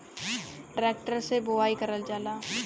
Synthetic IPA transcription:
ɖɾeːk̚ʈəɾseboaːikɐɾəld͡ʒaːlaː

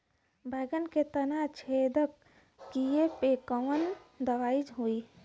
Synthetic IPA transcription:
bʱəɡənket̪ənat͡ʃʰed̪əkː | ijepekəʋənd̪əʋaid͡ʒɦui

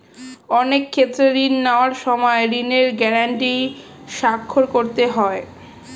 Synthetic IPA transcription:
ɔnekʰːet̪ːɾeɾinːaoaɾʃɔmɔeɾineɾɡɛɾaɳʈi | ʃakʰːoɾkoɾt̪eɦɔe

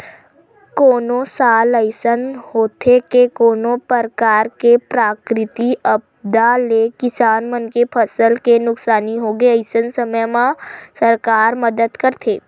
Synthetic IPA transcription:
koːnõsaːləɪsənɦoːt̪ʰekekoːnõpəɾkaːɾkepɾaːkɾɪt̪iəb̚ | d̪alekɪsaːnmənkepʰəsəlkenʊksaːniɦoːɡeəɪsənsəməjmãsəɾkaːɾməd̪əd̪kəɾt̪ʰeː

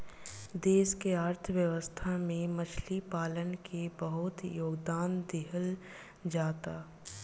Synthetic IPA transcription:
d̪eːʃkeaːɾt̪ʰəʋjəʋəst̪ʰamẽmət͡ʃʰlipaːlənkʰebəɦʊt̪joːɡd̪aːnd̪ɪɦəl | d͡ʒaːt̪aː

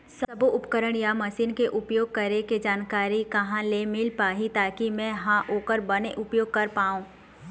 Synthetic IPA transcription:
sɐboʔʊpkəɾəɽ̃jamɐsiːnkeʔʊpjoːɡ̚kɐɾeked͡ʒaːnkaːɾikɐɦãlemɪlpaːɦit̪aːkimɛ̃ɦãʔoːkəɾbɐneʔʊpjoːɡ̚kɐɾpaːũː

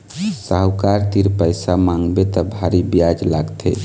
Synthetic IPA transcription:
saɦwkaɾt̪iɾpəjsamãŋɡbet̪ɔbʱaɾibjad͡ʒlaɡt̪ʰḛ

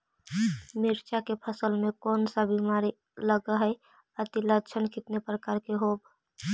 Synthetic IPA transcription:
mɪɾt͡ʃakepʰəsəlmẽkɔːnsabimaːɾi | ləɡəɦəj | ət̪ilət͡ʃʰənkɪt̪nepɾəkaːɾkeɦoːb

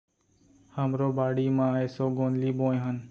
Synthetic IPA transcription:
həmɾoːbaːɽiːmãːeːsoːɡõːnliːbõːɦən

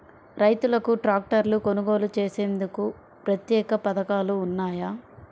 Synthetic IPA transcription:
ɾɐjt̪ulɐkuʈɾaːk̚ʈɐɾluko̞nuɡo̞ːlut͡ʃeːse̞ːnd̪uku | pɾɐt̪jɛːkɐpɐd̪ɐkaːluːnːaːjaː

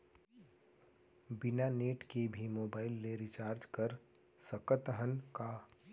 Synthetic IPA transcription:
bɪnaneːʈkebʱimoːbaːɪlːeɾɪt͡ʃaːɾd͡ʒkɐɾ | səkət̪əɦənka

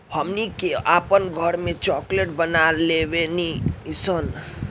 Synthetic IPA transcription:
həmnikeʔapənɡʱəɾmẽt͡ʃɔkleʈbənalebeniisən

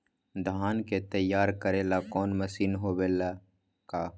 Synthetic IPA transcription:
d̪ʱaːnket̪əjːaːɾkəɾelakɔːnməsiːnɦoːbeːla | kaː

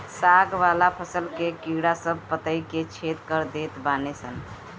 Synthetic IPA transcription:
saɡʋalapʰəsəlkekiɽasəb̚pət̪əjket͡ʃʰet̪kəɾd̪et̪banesən

